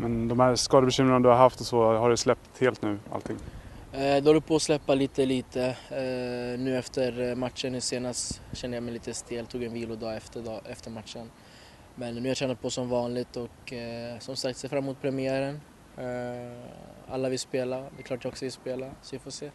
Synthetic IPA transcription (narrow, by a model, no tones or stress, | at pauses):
mɛnd̪ɔmhæɾskɑːd̪əbɛɕʏmɾɪnad̪ɵhaɾɦaft̪ɔsɔhaɖʉjslɛp̚t̪heːlt̪nʉ̟ːa̰lt̪ʰɪŋː | d̪ɛɔld̪ɵpʰɔːslɛpːaliːt̪əliːt̪ə | nʉ̟ːɛft̪əɾmat̪ʂənːʉːseːnast̪ɕɛnd̪əjamɛjliːt̪əst̪ɪlt̪ʰuːɡjɛnviːlʊd̪ɑːɛft̪əd̪ɑʔɛft̪əɾmat̪ʂən | mɛnːʉːjaɾʂʰɛnːad̪̚pʰɔsɔmvɑːnlɪɡ̚t̪ɔksɔmsakt̪seːɾfɾamːmuːt̪̚pʰɾɛmɪæːɾən | a̰lːavɪlspeːlad̪ɛkʰlɑːʈjaɔksɔvɪlspeːlasɔvafoːseː